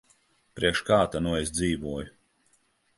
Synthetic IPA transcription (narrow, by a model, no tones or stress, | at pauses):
pɾiɛkʃkaːt̪anuɔes̬d̪ziːvuɔju